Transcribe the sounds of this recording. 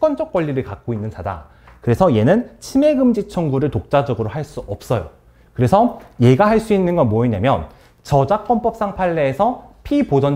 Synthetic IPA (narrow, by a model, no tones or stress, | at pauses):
k͈ʌnd͡ʑʌk͈wʌʎːiɾɯɭkak̚k͈oinːɯnsada̰ | kɯɾe̞sʰʌje̞nɯnt͡ɕʰime̞ɡɯmd͡ʑit͡ɕʰʌŋɡuɾɯɭtok̚t͡ɕ͈ad͡ʑʌɡɯɾoɦaɭs͈uʌp̚s͈ʌjo̰ | kɯɾe̞sʰʌje̞ɡahaɭs͈uinːɯnɡʌnmoiɲamjʌn | t͡ɕʌd͡ʑak͈ʌnpʌk̚s͈aŋpʰaɭːe̞ːsʰʌpʰipod͡ʑʌn